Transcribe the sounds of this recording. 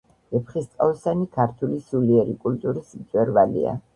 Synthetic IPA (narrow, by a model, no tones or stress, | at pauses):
ɛpʰχist̪sʼavɛsanikʰaɾt̪ʰulisuliɛɾikʼult̪ʼuɾismt̪sʼwɛɾvalḭa̰